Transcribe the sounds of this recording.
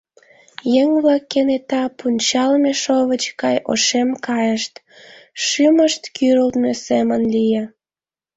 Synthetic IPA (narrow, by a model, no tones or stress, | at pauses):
jeŋβlɑkːenet̪ɑpunʲt͡ɕɑlmeʃoβət͡ɕkɑjʔo̰ʃemkɑjəʃt̪ | ʃyməʃt̪kyɾəlt̪mesemənlije